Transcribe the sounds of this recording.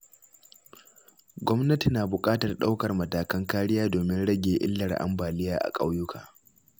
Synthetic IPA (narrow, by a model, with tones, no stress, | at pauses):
ɡʷɔ˦mnɐ˦ti˨naː˨bʊ˨kʼaː˦tɐ˨rɗa˦wkɐ˨rmɐ˨taː˨kɐ˦ŋkaː˦ɽɪ˦jaː˦doː˨mɪ˦nɽɐ˦ɡʲeː˨ʔɪ̰˦lːɐ˨rʔa̰˨mbaː˨lɪ˦jaː˦ʔa̰˨kʼa˦wjʊ˦kʰaː˨